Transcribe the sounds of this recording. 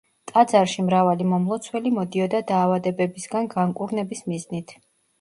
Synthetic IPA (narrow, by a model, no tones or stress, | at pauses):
t̪ʼad̪zaɾʃimɾavalimɔmlˠɔt̪sʰwɛlimɔd̪iɔd̪ad̪aːvad̪ɛbɛbisɡanɡaŋkʼuɾnɛbismiznit̪ʰ